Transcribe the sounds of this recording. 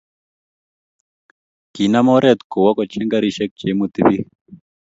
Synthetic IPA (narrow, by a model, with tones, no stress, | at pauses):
ɡ̥i˨namɔ˦ɾɛt̪ɡo˨wa˦kɔ˨t͡ʃɛ˦ŋɡaɾiʃɛ˦k̚d͡ʒe˨mut̪iβi˦